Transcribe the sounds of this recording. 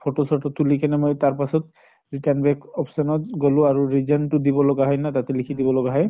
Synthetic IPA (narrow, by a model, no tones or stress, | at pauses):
pʰotosɔtɔt̪ulikɛnɛmojtaɹpasɔt̚ | ɹitanbɛkɔpʰsɔnɔt̚ɡolʊ̃aɹuɹizɔntʊdibɔlɔɡaɦɔjnatat̪ɛlikʰidibɔlɔɡaɦɔj